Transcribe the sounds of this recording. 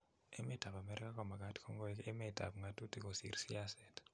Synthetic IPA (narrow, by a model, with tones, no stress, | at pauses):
e˦me˦ta˨pa˨mɛ˦ɾi˦ka˦kɔ˨ma˨ka˦tkʰɔ˦ŋɡo˦ɛke˦me˨ta̰˨pŋa˨tu˦ti˦ko˨sḭ˨ɾsi˦a˦sɛ˨t